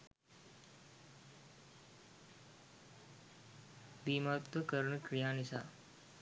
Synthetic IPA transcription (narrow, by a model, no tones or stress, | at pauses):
b̪iːmat̪ːəkəɾɳəkɾijaːnisa̰ː